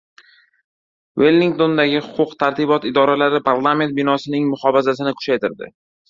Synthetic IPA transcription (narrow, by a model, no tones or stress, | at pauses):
welˠːiŋk̚t̪o̞nd̪aɡʲɪhʊ̥qʰʊqt̪ʰaɾt̪ʰibɒt̪ɪd̪ɒɾalaɾɪpʰaɾlˠame̞nt̪̚bɪnɒsɪnɪŋmʊχɒfazasɪnɪkʰʊ̥t͡ʃajt̪ʰɪɾd̪ɪ̰